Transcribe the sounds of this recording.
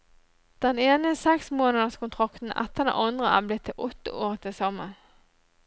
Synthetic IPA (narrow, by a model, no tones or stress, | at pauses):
d̪̥ɛneːnəsɛksmoːnəd̪əskʰʊnt̪ʰʁɑkt̪n̩ʔɛ̰t̪ːəd̪ɛ̰nʔɑnd̪ʁəʔæ̰ːblɪt̪ʰːɪlʔɔt̪ːə̰ʔoːʁt̪ʰɪsɔmːən